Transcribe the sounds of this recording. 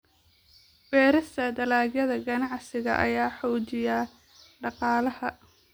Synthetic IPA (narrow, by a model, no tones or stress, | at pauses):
bɛːɾɐst̪ʰɐd̪ɐlaːɡjɐðɐɡɐnɑʕsɪɣɐ̰ʔɐ̰jaːħɔːt͡ʃɪja | ɖɑqɑːlɐhɐ